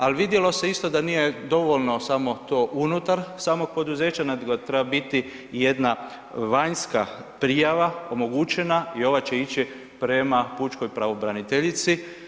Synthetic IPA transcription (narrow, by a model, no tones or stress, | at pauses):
alʋid̪jelo̞se̞ist̪o̞d̪anije̞d̪o̞ʋo̞ʎno̞samo̞t̪o̞ːʔunut̪aɾsaːmo̞ɡ̚po̞d̪uze̞ːt͡ɕanad̪ɡot̪ɾebabit̪i | je̞d̪na | ʋaɲska̰pɾijaʋao̞mo̞ɡut͡ɕe̞naio̞ʋat͡ɕe̞it͡ɕi | pɾe̞maput͡ʃko̞jpɾaʋo̞bɾanit̪eʎit̪si